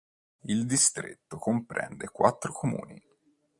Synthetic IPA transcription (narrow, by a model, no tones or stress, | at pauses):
ild̪ist̪ɾḛt̪ːokompɾɛ̰nd̪ekwat̪ːɾokʰomṵːni